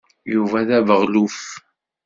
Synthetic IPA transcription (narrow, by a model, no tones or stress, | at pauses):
juvæðævəʁluf